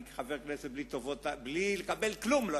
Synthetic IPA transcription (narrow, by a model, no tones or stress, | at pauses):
ke̥χaveʁkneseblit̪ovot̪blilekabelklumlo